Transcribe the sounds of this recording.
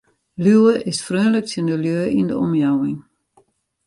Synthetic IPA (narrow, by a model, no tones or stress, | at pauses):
lywəʔɪsfrøːnlək̚səndəljøːʔindəɔmjawɪŋ